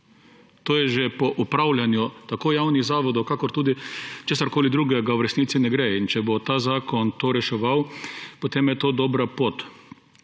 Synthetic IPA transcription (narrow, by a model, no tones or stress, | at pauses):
t̪oːjɛʒɛpɔʔupɾawlʲjanjut̪akoːjawniɣzaːʋɔd̪ɔwkakɔɾt̪uːd̪it͡ʃeːsaɾkoːlid̪ɾuːɡɛɡawɾɛsniːt̪sinɛɡɾeint͡ʃɛbot̪aːzaːkɔnt̪oːɾɛʃɛʋawpot̪eːmjɛt̪oːd̪oːbɾapoːt̪